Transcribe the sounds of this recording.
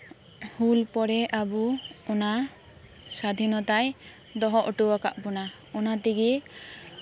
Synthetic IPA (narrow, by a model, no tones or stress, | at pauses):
hulpɔɾɛʔabu | ɔna | sad̪ʱinɔt̪aj | d̪ɔɦɔʔɔʈuwaka̰ʔpɔna | ɔnat̪iɡi